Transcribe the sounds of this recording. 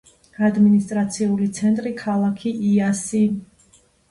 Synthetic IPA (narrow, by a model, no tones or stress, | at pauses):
ad̪minist̪ʼɾat̪sʰiulit̪sʰɛnt̪ʼɾikʰalˠakʰiʔiasi